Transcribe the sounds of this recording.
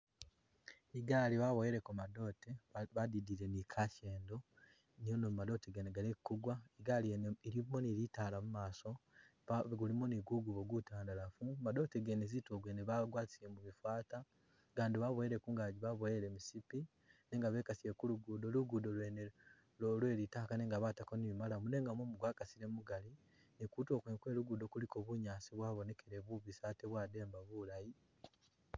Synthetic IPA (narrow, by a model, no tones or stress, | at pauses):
iɡaliβaβoeɾekumado̞ːteβadidiɾenikʰaceːndo̞ | nijonomado̞teɡeneɡaɾekːuɡwaiɡaliiɾimoniɾitaːlamumaːso̞ | ɡulimoniɡuɡuβoɡwutaːndalafumadoteɡenezitoɡweneβaɡwaːti̥semuβifwaːta | ɡaːndiβaβweeɾekuːŋɡaɟiβaβoeɾemisipi | ne̞ːŋɡaβe̞ːkasiekuluɡudoluɡudolene | lolwe̞ːɾitakaneːŋɡaβatakoniβimalamune̞ːŋɡamomuɡwaːkasiɾe̞muɡali | nikuto̞ːkwekwe̞ːɾuɡudo̞kulikoβuɲaːsiβwaːβone̞keɾeβuβisateβwaːde̞ːmbaβulaji